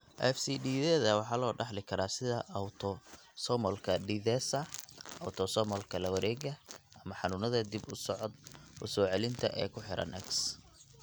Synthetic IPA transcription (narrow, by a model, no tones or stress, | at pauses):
ʔɛ̰fsiɖiːðɛːðɐwɑħɑːlɔːɖɑħlɪkʰɐɾaːsɪðɐʔɐwt̪ʰɔ | sɔmɔlkʰɐɖiðɛsɐɐwt̪ʰɔsɔmɔlkʰɐlɐwɐɾɛːɣɐʔɐmɐħɑnʊnɐðɐd̪ibʊsɔʕɔd̪̚ʔʊ̰sɔːʕɛlɪnt̪ʰɐ̰ʔɛ̰ːkʰʊħɪɾɐ̰nʔɛ̰ks